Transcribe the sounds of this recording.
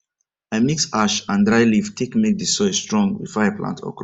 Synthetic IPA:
ãmiksaʃãndɹajliftʰikmek̚disɔstɹɔ̃ŋɡwḭfajaplã̰ntʰɔ̰k

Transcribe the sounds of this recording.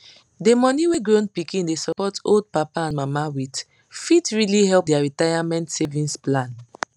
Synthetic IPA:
demɔniweɡɹõnpikĩndesɔpɔtolˠd̚papaãnmamawit | fitɹilihɛlˠp̚dɛaɹitajamɛ̃ntsevĩnsplãn

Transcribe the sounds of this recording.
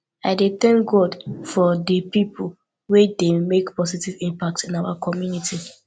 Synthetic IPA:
aɪdeθɛ̃ŋk̚ɡɔdfɔdəpipʰul | wedemekpɔsitivĩmpak̚tĩnaʊwakʰɔmjuniti

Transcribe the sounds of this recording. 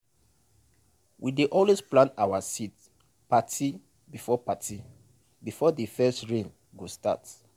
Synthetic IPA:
wʔideʔɔlwesplãntawasit | patʰi | bifɔpatʰi | bifɔdəfɛstɹẽn | ɡosta̰t

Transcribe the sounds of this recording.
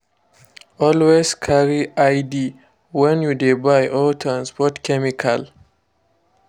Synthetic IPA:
ʔɔlweskʰaɾiʔajdi | wɛ̃njudebajʔɔtʰɾãnspɔtkɛmikʰal

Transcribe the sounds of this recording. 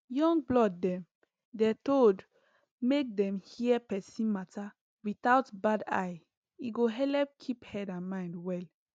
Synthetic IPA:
jɔ̃ŋɡ̚blɔdːɛ̃m | dɛtold | mek̚dɛ̃mhipɛsĩnmata | wiθaʊtbada̰j | iɡoɦɛlɛp̚kʰiphɛdãnmãɪ̃ndwɛl

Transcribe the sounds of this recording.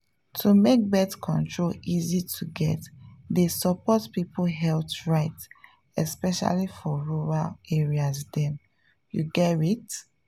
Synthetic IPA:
tʰumek̚bɛtkʰɔ̃ntɹolizitʰuɡɛ̰tdesɔpɔtpipoɦɛltɹaɪt | ɛspɛʃa̰lifɔɹuɹaleɹiasdɛ̃m | jṵɡɛɹit

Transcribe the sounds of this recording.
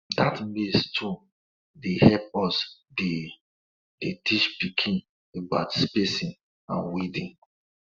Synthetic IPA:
datmestʰu | dehɛp̚ɔsde | detit͡ʃpikʰĩn | eba̰tspesĩn | ã̰nwidĩn

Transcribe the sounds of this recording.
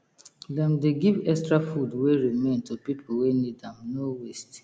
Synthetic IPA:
dɛ̃mdeɡivɛkstɹafudweɹimẽntʰupipʰowenidãmnowest

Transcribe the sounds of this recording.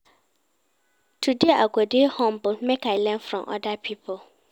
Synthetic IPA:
tʰudeʔaɡɔdehɔ̃mbʊlmɛkaɪlɛ̃nfɾɔ̃mʔɔ̰dapʰipʰʊl

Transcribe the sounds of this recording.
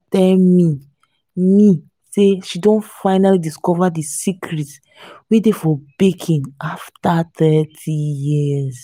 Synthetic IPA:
tɛlmi | mi | seʃidõnfaɪnalidiskɔvadisikʰɾit | widefɔbekʰĩnaftatɛtʰijiz

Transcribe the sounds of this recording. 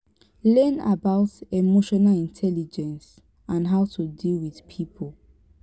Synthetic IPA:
lɜna̰baʊtemoʃɔnalĩntʰɛlid͡ʒɛ̃ns | ãnɦaʊtʰudilwið̥pʰipʰol

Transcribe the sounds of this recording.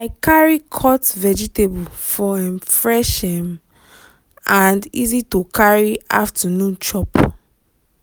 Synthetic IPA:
aɪkaɹikʰɔtvɛd͡ʒitebulfɔaɛ̃nfɹɛʃɛ̃n | ãndizitokʰaɹia̰ftʰanũnt͡ʃɔp

